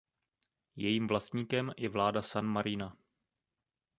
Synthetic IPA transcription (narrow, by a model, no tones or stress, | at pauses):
jɛjiːmvlast̪ɲiːkɛmjɛvlaːdasanmaɾina